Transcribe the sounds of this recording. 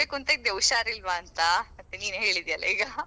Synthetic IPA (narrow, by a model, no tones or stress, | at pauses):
ekunt̪ɐɡ̚d̪ewʂaːɾilʋaːnt̪aɐt̪ːeniːnɦeːɭid̪ijɐlːɐ̰iːɡɐ